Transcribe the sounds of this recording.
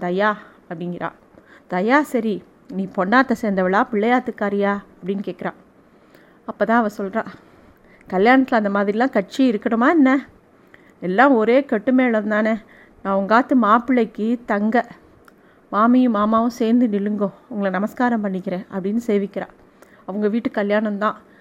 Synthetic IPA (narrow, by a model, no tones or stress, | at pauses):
d̪ɐjaː | ɐpːɐɽɪŋɡɪɾʔã̰ː | d̪ɐjaːsɐɾi | niːpɔɳːaːt̪ːɐseːɾnd̪ɐʋɪɭaːpɪɭːɐjaːt̪ːɯkːaːɾɪjaːɐpːɐɽɪnːɯkeːʈkɪɾã̰ː | ɐpːoːt̪ãːɐʋɐsɔlɾãː | kɐljaːnɐt̪ːɪlɐnd̪ɐmaːðɪɾɪlãːkɐʈ̚t͡ʃiɪɾɯkːɐɽɯmaːɛnːɛ | ɛlːãːɔɾeːkɛʈːɯmeːɭɐɾɯnd̪aːne | nãːʊŋɡaːt̪ːɯmaːpɪɭːɐɪkːɯt̪ɐŋɡɐ | maːmĩmaːmaːʋʊ̃seːɾnd̪ɯnɪlɯŋɡʊ̃ɐʊŋɡɐɭɐnɐmɐskaːɾɐ̃mpɐɳːɪkːɪɾẽːʔɐpːɐɽɪnːɯseːʋɪkːɪɾã̰ː | ɐʋɐŋɡɐʋiːʈːɯkɐljaːnɐmt̪ãː